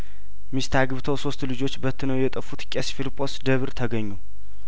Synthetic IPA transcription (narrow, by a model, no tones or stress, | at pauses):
mist̪ʰaɡɨβt̪ʰəwso̞st̪lɨd͡ʒo̞t͡ʃːbət̪ʰːɨnəwjɛt̪ʼəfːut̪kʲʼesfilpʼo̞sd̪əβɨɾt̪ʰəɡəɲːu